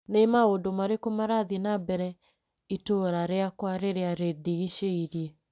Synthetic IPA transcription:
nemaondomaɾekomaɾaðinabɛɾɛ | itoɾaɾeakwaɾeɾeaɾediɣiʃeiɾje

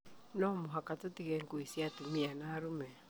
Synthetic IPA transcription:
nɔmoɦakatotiɣɛŋkuisiatumianaɾumɛ

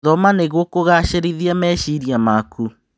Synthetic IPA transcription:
ðɔmaneɣwɔkoɣaʃeɾiðiamɛʃiɾiamaku

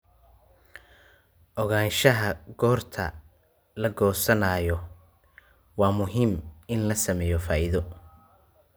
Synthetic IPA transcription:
ʔɔɣaːnʃɐɦɐɡ̥ɔːrt̪ʰɐ̰ | lɐɡɔːsɐnaːjɔ | wɑːmʊɦɪmɪnlɐsɐmɛːjɔfaːʔɪðɔ

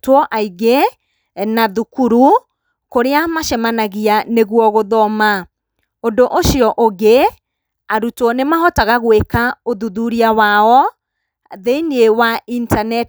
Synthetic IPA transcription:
twɔʔaiɡe | naðukuɾu | koɾeamaʃɛmanaɣianeɣwɔɣoðɔma | ondoʔoʃiɔʔoɡe | aɾutɔnemaɦɔtaɣaɣwekaoðuðuɾiawaɔ | ðeiniewaʔintanɛt

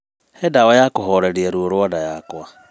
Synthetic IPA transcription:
hɛdawɔjakoɦɔɾeɾiɛɾuoɾwɔdajakwa

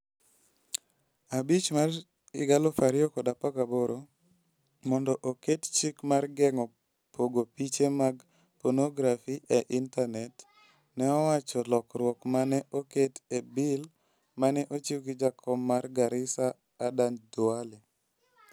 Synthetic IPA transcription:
abit͡ʃmaɾ | ɪɡalɔfaɾɪɔkɔdapaɡaboɾo | mɔndɔʔokett͡ʃikmarɡɛŋɔ | poɡopit͡ʃemaɡ | pɔnoɡɾafiʔeʔintanɛt | nɛɔwat͡ʃɔlɔkɾwɔkmanɛʔoketebɪl | manɛʔot͡ʃiwɡid͡ʒakʰɔmːarɡaɾɪsaː | dandʊalɛ

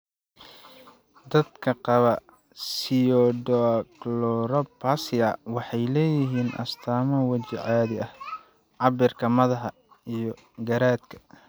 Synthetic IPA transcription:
d̪ɐd̪kʰɐqɑβɐ | sɪjɔdɔklɔɾɐpʰasɪɐwɑħɑjlɛːjɪɦiːnʔɐ̰st̪ʰaːmɐwɐt͡ʃɪʕaːðɪɐh | ʕɑbɪrkʰɐmɐðɐɦɐ | ijɔ | ɡɐɾaːd̪kʰɐ̥

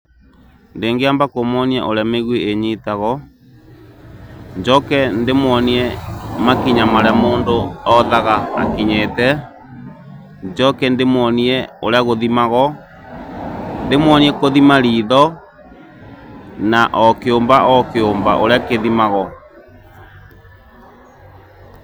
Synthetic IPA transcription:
ndeːŋɡeambakomɔnia̰ʔoɾameɣweeɲitaɣɔ | ɲd͡ʒɔkɛndemwɔniɛmakiɲamaɾɛamoːndoɔðaɣaa̰kiɲetɛ | d͡ʒɔkɛndemwɔniɛoɾeaɣoðimaɣɔ | ndemwɔniɛkoðimaɾiːðɔ | naʔɔkeombaʔɔkeomba̰ʔoɾeakeðimaɣɔ

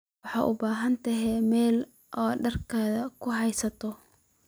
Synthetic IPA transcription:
wɑħɑ̰ːʔʊbaːɦɐnt̪ʰɐɦɛmɛːl | ʔɔːɖɐrkʰaːðɐkʰʊɦɑjsɐt̪ʰɔ

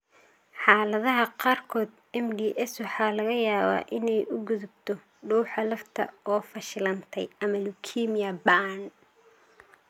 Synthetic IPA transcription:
ħɑːlɐðɐɦɐqɑːrkʰɔːd̪ | ɛmɖiːʔɛswɑħɑːlɐɣɐjaːβa̰ːʔɪnɛjʔʊɡʊðʊb̚t̪ʰɔ | ɖuːħɑlɐft̪ʰɐ̰ɔːfɐʃɪlɐnt̪ʰɛjɐmɐlʊkʰiːmɪɐban

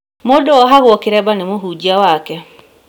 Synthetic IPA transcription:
modoɔɦaɣwɔkeɾɛbanemoɦud͡ʒiawakɛ

